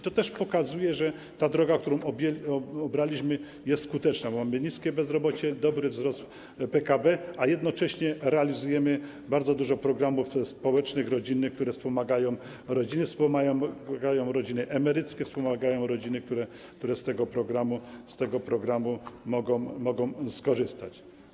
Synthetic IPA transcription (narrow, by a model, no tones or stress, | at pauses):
it̪ɔt̪ɛʂpɔkazujɛʐɛ | t̪ad̪ɾɔɡak̚t̪uɾɔ̃w̃ɔɛɔbɾalʲiɕmɘ | jɛst̪skut̪ɛt͡ʂnabɔmamɘɲiskʲɛbɛzɾɔbɔt͡ɕɛd̪ɔbɾɘvzɾɔst̪ | pɛkabɛajɛd̪nɔt͡ʂɛɕɲɛɾɛalʲizujɛmɘ | baɾd̪zɔd̪uʐɔpɾɔɡɾamufspɔwɛt͡ʂnɘxɾɔd͡ʑinːɘkt̪uɾɛfspɔmaɡajɔ̃w̃ | ɾɔd͡ʑinɘfspɔmajɔwɡajɔ̃w̃ɾɔd͡ʑinɘʔɛmɛɾɘt̪skʲɛfspɔmaɡajɔ̃w̃ɾɔd͡ʑinɘk̚t̪uɾɛ | k̚t̪uɾɛst̪ɛɡɔpɾɔɡɾamust̪ɛɡɔpɾɔɡɾamumɔɡɔmɔɡɔ̃w̃skɔʐɘst̪a̰t͡ɕ